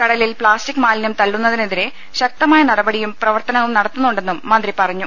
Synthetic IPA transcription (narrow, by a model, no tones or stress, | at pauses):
kɐɽɐlilpɭaːstikːmaːlnjɐmt̪ɐɭːunːɐðineðiɾe̞ | ɕɐk̚t̪ɐmaːjɐnɐɽɐbɐɽijumprɐʋɐrt̪ɐnɐŋɐumnɐɽɐt̪ːunːuɳɖe̞nːumːɐnd̪ripɐrɐɲːu